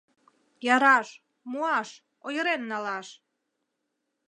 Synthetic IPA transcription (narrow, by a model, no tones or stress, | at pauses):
jɑɾɑʃ | muɑʃ | ojəɾenːɑlɑʃ